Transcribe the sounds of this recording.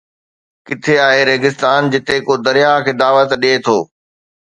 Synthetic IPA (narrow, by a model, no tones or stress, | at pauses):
kɪt̪ʰeaːɦeɾeːɡɪst̪aːnd͡ʑɪt̪ekoːd̪ɐɾjaɦkʰeːd̪aːʋət̪ɗiet̪ʰoː